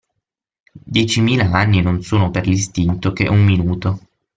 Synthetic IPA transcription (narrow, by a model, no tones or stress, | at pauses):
d̪jɛːt͡ʃimiːlaanːinonsoːnoperlist̪int̪ok̟ḛʔumːinuːt̪o